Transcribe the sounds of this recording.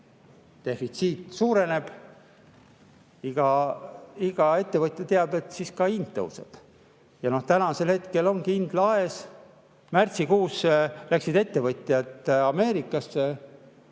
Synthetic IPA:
t̪e̞fit̪siːt̪ˑsuːɾe̞ne̞b̥ | iɡ̥ɑ | iɡ̥ɑe̞t̪ːe̞vɤt̪ʲjɑt̪eɑb̥e̞t̪ːsiskɑint̪ːɤ̰wsḛd̪̥ | jɑno̞ht̪ænɑse̞lhe̞t̪ke̞lo̞ŋkiind̪̥lɑe̞s | mært̪sikuːslæksid̪e̞t̪ːe̞vɤt̪ʲːˑjɑt̪ɑme̞ːɾikːˑɑsːe

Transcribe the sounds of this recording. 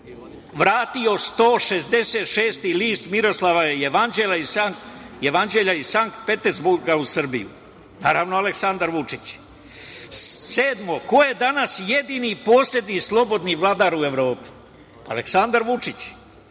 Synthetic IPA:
ʋɾaːt̪io̞st̪o̞ːʃe̞zd̪e̞seːt̪ʃeːst̪iliːst̪miɾo̞slˠaʋajejeʋand͡ʑelaisajeʋand͡ʑeʎaisaŋk̚t̪̚pet̪eɾzbuɾɡausr̩bijṵ | naːɾaʋnoaleksand̪aɾʋut͡ʂit͡ɕ | seːd̪mo̞ko̞je̞d̪anasje̞d̪iːnipo̞ːsʎʲed̪nislˠo̞bo̞d̪niʋlˠaːd̪aɾue̞ʋɾo̞ːpi̥ | a̰lḛksand̪aɾʋut͡ʂit͡ɕ

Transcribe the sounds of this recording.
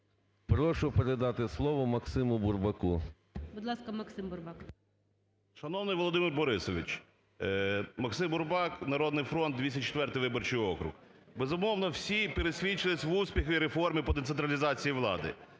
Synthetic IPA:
pɾɔʃʊpeɾed̪ɑt̪ɪslˠɔʋɔmɐksɪmʊbʊrbɐku | bʊd̪lˠɑskɐmɐksɪmbʊrbɑk | ʃɐnɔwnɪjʋɔlˠɔd̪ɪmɪrbɔɾɪsɔʋʲḭt͡ʃ | mɐksɪmbʊrbɑknɐɾɔd̪nɪjfɾɔnd̪̚d̪ʲʋʲisʲɐt͡ʃe̥t̪ʋɛrt̪ɪjʋɪbɔrt͡ʃʊjɔkɾʊ̰x | bezʊmɔʋnɔwsʲipeɾesʲʋʲit͡ʃɪlˠɪsʲʋusʲpʲixʊiɾefɔrmʲipɔd̪et̪sent̪ɾɐlʲizɑt͡sʲijiʋlˠɑ̰d̪ɪ̰

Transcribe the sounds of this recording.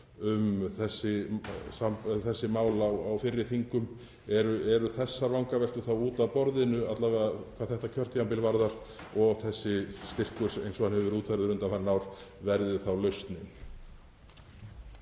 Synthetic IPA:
ʏmθɛsːɪsamθɛsːɪmaːwlawawfɪɾːɪθiŋkʏm | ɛɾʏɛɾʏθɛsːaɾvawŋkavɛl̥t̪ʏθawuːt̪awpɔɾðɪnʏat̪lavkʰvaːðθɛht̪acʰœr̥t̪jampɪlvaɾðaɾ̥ | ɔɣθɛsːɪst̪ɪr̥kʏsejnsɔanhɛvʏɾuːt̪ʰfaɾðʏɾʏnt̪amannawɾ̥vɛɾðɪθawlœɥst̪nɪn

